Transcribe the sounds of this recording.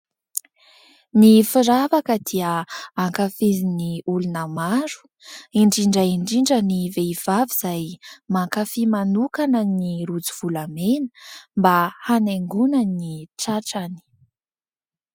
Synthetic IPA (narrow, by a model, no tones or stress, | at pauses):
nifiɾavakəd̪iəaŋkafiziniulunəmaɾu̥ | iɳɖ͡ʐiɳɖ͡ʐəiɳɖ͡ʐiɳɖ͡ʐəniveiv̥aviz̥ajmaŋkafimanukanəniɾut͡siv̥ulamenə̥mbahaneŋɡunaniʈ͡ʂaʈ͡ʂani̥